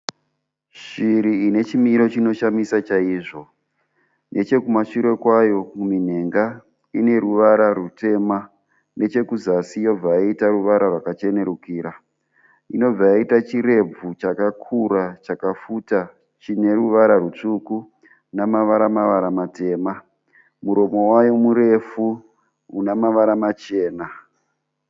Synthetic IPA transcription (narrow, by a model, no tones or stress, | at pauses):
ʃiɾiine̞t͡ʃimiɾo̞t͡ʃino̞ʃamisat͡ʃaiːʐo̞ | nʔe̞t͡ʃe̞kumaʂiɾe̞kwajo̞kumin̤e̞ŋɡa | ine̞ɾuʋaɾarute̞ːma | ne̞t͡ʃe̞kuzasijo̞b͡vaaitaruʋaɾarwakat͡ʃe̞ne̞ɾukiːɾa | ino̞b͡vajaitat͡ʃiɾe̞b͡vut͡ʃakakʰuɾat͡ʃakafuta | t͡ʃine̞ruʋaɾarut͡ʂuku | namaʋaɾamaʋaɾamate̞ːma | muɾo̞mo̞wajo̞muɾe̞fu | unamaʋaɾamat͡ʃe̞ːna